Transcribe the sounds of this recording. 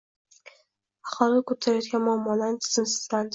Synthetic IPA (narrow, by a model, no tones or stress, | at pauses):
ɑχɑlɪkʰot̪ʰaɾajɒt̪ɡʲanmʊamːɒlaɾɪnt̪ʰɨ̥z̥ɪnsɪ̥zland̪